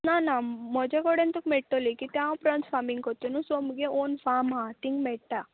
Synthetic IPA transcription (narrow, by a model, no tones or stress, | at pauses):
naːnamɔd͡ʒɐɡɔɽent̪ukmeʈːolikit̪jaːwpɾansfaːmiŋɡkot̪ːunusomuɡeoːnpʰaːmaːt̪iŋɡmeʈːa